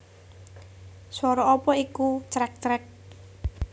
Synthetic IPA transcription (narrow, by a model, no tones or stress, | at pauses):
swɔɾɔɔpɔikut͡ʃɾɛk̚t͡ʃɾɛk̚